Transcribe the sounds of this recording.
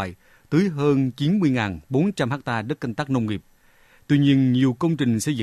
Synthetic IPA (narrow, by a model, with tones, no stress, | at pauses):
j | t̪ɨː˨˦jɦəː˧nt͡ɕi˨˦nmɨ˧əjŋaː˨˩nɓo˨˦nt͡ɕa˧mhaː˦˥k̚t̪aː˧ɗə˦˥t̚ka˧jŋ̟t̪aː˦˥k̚nə˧wŋ͡mŋi˨˩p̚ | t̪wi˧ɲi˧ənɲi˨˩əwkə˧wŋ͡mt͡ɕï˨˩ŋ̟sɛ˧jzɨ̰˧˨